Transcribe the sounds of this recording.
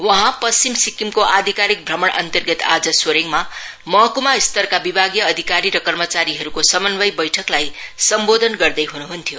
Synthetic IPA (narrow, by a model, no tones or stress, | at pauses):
wʌɦãpʌst͡ɕimsikːimkoʔad̪ʱikaɾik̚bʱrʌmʌɳʔʌ̰nt̪ʌrɡʌt̪a̰d͡zʌswoɾeŋma | mʌɦʌkumaist̪ʌrkabibʱaɡjʌːd̪ʱikaɾiɾʌkʌrmʌt͡saɾiɦʌɾukosʌmʌnbʌjbʌjʈʰʌklajsʌmbod̪ʱʌnɡʌrd̪ʌjɦunuɦunt̪ʰijo